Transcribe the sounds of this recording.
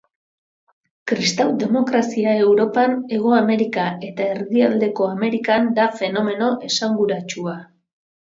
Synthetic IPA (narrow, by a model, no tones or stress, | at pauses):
kɾist̪awd̪e̞mo̞kɾasiae̞wɾo̞pane̞ɣ̞o̞ame̞ɾikae̞t̪ae̞ɾðiald̪e̞ko̞ame̞ɾikand̪afe̞no̞me̞no̞ʔe̞saŋɡuɾat͡ʃua